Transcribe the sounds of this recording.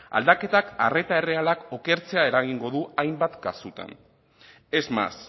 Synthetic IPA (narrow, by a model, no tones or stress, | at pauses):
a̰ld̪ake̞t̪aka̰re̞t̪ae̞re̞alako̞ke̞ɾt͡se̞ae̞ɾaɣ̞iŋɡo̞ðuajmbat̪ɡasut̪a̰n | e̞zma̰s